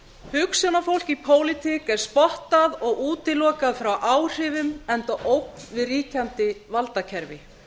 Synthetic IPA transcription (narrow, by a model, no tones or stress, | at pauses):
hʏksjɔnafowl̥cipʰoːwlɪt̪ʰikɛɾ̥spɔht̪aðɔɣuːt̪ɪlɔːkaðfɾawʔaːwr̥ɪvʏmɛnt̪aʔowk̚nvɪðriːcant̪ɪvalt̪acʰɛɾvɪ